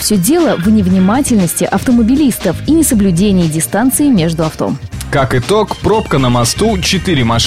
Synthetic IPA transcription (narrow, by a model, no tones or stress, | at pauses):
fsʲɵdʲe̞lˠəvnʲɪvnʲɪmatʲɪlʲnəsʲtʲɪʔɐft̪əməbʲɪlʲist̪əfinʲɪsəblʲʉdʲenʲɪjɪdʲɪst̪ant̪sɨɪmʲe̞ʐd̪ʊɐft̪o̞̰mkakɨt̪okpɾopkənəmɐst̪ut͡ɕɪt̪ɨɾʲɪmɐʂ